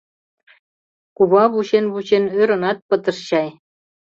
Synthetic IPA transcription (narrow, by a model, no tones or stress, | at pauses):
kuβɑβuɕenβut͡ɕenøɾɤ̆nɑt̪̚pə̆t̪ɤ̆rɕɑj